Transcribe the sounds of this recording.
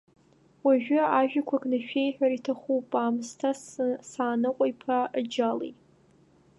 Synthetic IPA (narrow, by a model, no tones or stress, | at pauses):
waʒᶣʏaʒᶣakʷʰaknaʃᶣejħᶣaɾitʰaχupʼaːmztʰasaːnɨqʷʼajpʰad͡ʒalḛjtʼ